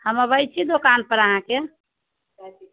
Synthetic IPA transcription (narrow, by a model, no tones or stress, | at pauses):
həməbəjt͡ʃʰid̪okanpəɾəɦãke